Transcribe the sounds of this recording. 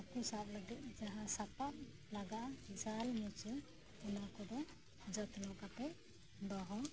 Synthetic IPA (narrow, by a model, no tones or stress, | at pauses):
akusap̚ləɡɛt̪̚ˀd͡ʒaɦasapat̪̚ | laɡaʔad͡ʒalmɔt͡ʃi | ɔnakɔd̪ɔ | d͡ʒət̪nɔkapɛ | bɔɦɔ